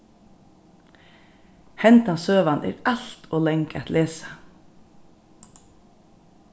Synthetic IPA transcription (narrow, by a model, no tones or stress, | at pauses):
hɛnt̪ɑsøːʋɑnʔḛːɾɑlt̪ʰoːlɛŋkæt̪lʔeːsə̥